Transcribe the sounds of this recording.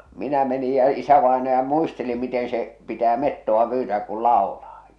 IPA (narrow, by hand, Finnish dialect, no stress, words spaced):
minæ meni jɑ isæʋɑenɑjɑ muisteli miten̞ se pitæː metːoʋɑ pyːtæːk kul lɑolɑː